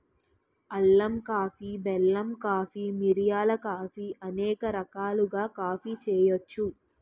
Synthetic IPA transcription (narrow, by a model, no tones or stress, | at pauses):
ɐlːɐmkaːfibɛlːɐmkaːfiːmiɾijaːlɐkaːfiʔɐnɛːkɐɾɐkaːluɡaːkaːpiːt͡ʃɛːjot͡ʃːu